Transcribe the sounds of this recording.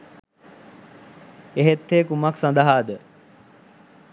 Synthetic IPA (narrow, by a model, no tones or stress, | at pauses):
eɦet̪ːeːkumaksɐnd̪əɦaːd̪ə